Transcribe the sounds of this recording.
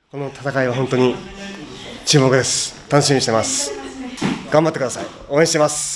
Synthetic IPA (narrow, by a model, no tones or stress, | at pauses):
ko̞no̞t̪ḁt̪akaiβaɦõ̞nt̪o̞ɲ̟i | t͡ɕɨːmo̞kɯ̟d̪e̞sɨ̥t̪ano̞ɕimʲiɲiɕit̪e̞masɨ̥ | ɡ̥ãmbat̪ːekɯd̪asai | oːẽɕit̪emasɨ̥